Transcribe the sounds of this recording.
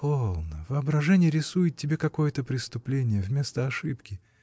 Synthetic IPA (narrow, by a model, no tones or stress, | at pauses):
polˠnəvɨɐbɾɐʐɛnʲɪjəɾʲɪsujɪt̪̚ʲtʲːɪbʲe̞kɐko̞jət̪əpɾʲɪst̪ʊplʲenʲɪjəvmʲe̞st̪əɐʂɨpkʲɪ